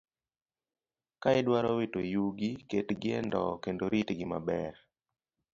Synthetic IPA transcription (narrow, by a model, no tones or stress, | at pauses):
kaɛdwaɾɔwetojuɡiketɡɪɛ̰ndɔ̰kendoɾitɡɪma̰bɛɾ